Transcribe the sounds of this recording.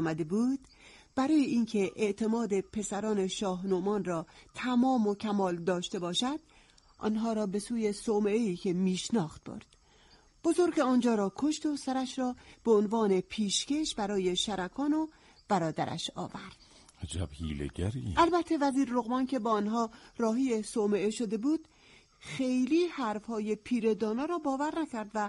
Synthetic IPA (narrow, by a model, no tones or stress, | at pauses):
mæd̪e̞buːd̪̥ | b̥æɾɒːjeʔiːncʰe̞ʔeʔt̪ʰe̞mɒːd̪e̞pʰe̞sæɾɒːne̞ʃɒːɦnomɒːnrɒːt̪ʰæmɒːmo̞cʰæmɒːld̪ɒːʃt̪e̞bɒːʃæd̪̥ | ʔɒ̰ːnɦɒːɾɒːbe̞suːje̞someʔeiːcʰe̞miːʃnɒːxt̪̚b̥o̰ɾd̪̥ | b̥o̞zo̞ɾɡeɒːnd͡ʒɒːɾɒːkʰo̞ʃt̪o̞sæɾæʃɾɒːb̥eonvɒːnepʰiːʃce̞ʃbæɾɒːje̞ʃæɾʔækʰɒːno | b̥æɾɒːd̪æ̰ɾʔæ̰ʃɒ̰ːvæɾd̪̥ | æd͡ʒæ̰b̥hḭːlḛɡæ̰ɾiʔælbæt̪ʰːe̞væziːɾːoɣmɒːnkʰe̞bɒːnɦɒːɾɒːɦiːjesomeeʃod̪e̞buːd̪̥ | xe̞jliːhæɾfhɒːje̞pʰiːɾe̞d̪ɒːnːɾɒːbɒːvæɾnækʰæɾd̪væ